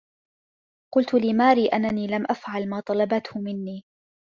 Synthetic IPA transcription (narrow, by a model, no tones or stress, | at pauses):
qʊlt̪ʊliːmaːɾiːʔanːaniːlamʔafʕalmaːt̪ˤɑlɑbat̪hʊmɪnːiː